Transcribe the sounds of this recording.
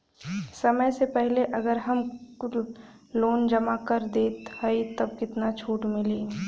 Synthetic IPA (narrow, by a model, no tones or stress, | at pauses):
səməjsepɛɦleʔɐɡəɾɦɐm | loːnd͡ʒəmakəɾd̪eːt̪həit̪ɐb̚kɪt̪nat͡ʃʰuːʈmɪliː